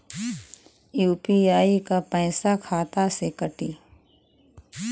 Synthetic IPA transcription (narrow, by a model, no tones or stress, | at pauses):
juːpiaːikapɛ̃ːsakʰaːt̪asekəʈi